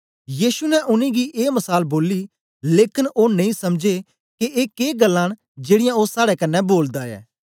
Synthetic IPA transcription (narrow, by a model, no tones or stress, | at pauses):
jiːʃunɛʔʊnẽɡiʔeːmɐsaːlboːli | leːkɪnoːnɐ̃ĩsɐmd͡ʒe | keʔeːkeːɡəlːãːɽ̃ | d͡ʒeːɽɪjãoːsaːɽɛkɐnːɛboːld̪aɛ̰ː